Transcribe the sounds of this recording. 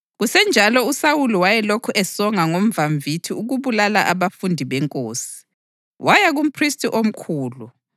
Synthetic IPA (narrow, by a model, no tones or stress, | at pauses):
ɣusɛnd͡ʒʱalɔusawuluwajɛlokʰuʔɛsɔŋaŋom̩vaɱvʱitʰiuɣuβulalaʔaβafundʱiβɛŋkʼoːsi̥ | wajaɣum̩pʰristʼiʔom̩kʰuːlu